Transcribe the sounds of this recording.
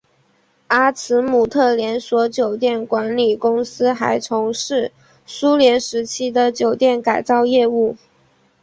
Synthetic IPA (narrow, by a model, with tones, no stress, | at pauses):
a˥t͡sʰɹ̩˧˥mu˨˩t̪ʰɤ˥˩ljɛ˧˥nswɔ˧˥t͡ɕjo˨˩ʊt̪jɛ˥˩nkwa˧˥nli˨˩kʊ˥ŋsɹ̩˥xa˧˥ɪt͡sʰʊ˧˥ŋʂɻ̩˥˩ | su˥ljɛ˧˥nʂɻ̩˧˥t͡ɕʰi˥d̪ə˨t͡ɕjo˨˩ʊt̪jɛ˥˩nka˨˩ɪt͡sɑ˥˧ʊjɛ˥˧u˥˩